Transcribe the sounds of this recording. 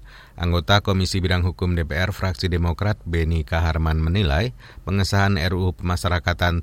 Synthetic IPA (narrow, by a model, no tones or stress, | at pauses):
ʔa̰ŋɡot̪akomisibiɾaŋɦukʊmdepeɛrfɾaksidemokɾat̪̚benikaɦarmanmənila̰j | pəŋəsaɦanɛ̰rupəmasaɾakat̪an